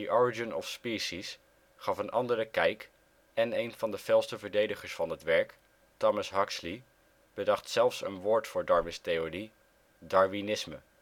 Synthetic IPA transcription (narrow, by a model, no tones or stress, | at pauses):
diʔɔɹid͡ʒənɔfspiːʃis | χɑfənʔɑndəɾəkɛjk | ɛnejnvɑndəv̥ɛlˠstəvəɹdejdəχəɹsfɑnɦətʋɛɹk | tɔməsɦɑksli | b̥ədɑχtsɛlˠfsə̰nʋʊːɹtfʊːɹdɑɹmɪstejori | dɑɹvinɪsmə̰